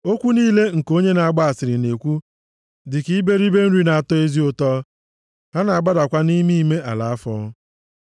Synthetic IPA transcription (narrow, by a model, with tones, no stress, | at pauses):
o˦kʷu˦niː˦le˦ŋ̩˨ko˦ɲe˦na˨a˦ɡ͡ba˦a˨sɪ˨ɾɪ˨ne˨kʷu˦ | dɪ˨ki˦be˦ɾi˦be˦n̩˦ɾi˦na˨a˨tɔ˦e˦zi˦o˦tɔ˦ | ha˦na˨a˨ɡ͡ba˦da˨kʷa˦ni˦mi˦me˦ʔa˨la˨a˦fɔ˦